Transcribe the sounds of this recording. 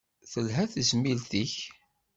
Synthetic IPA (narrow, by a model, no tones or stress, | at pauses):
θəlɦæθəzmilθiç